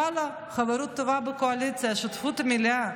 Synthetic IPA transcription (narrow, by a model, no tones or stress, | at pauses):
ala | χaveɾut̪ːovabəkoalit͡sijaʃut̪fut̪amilia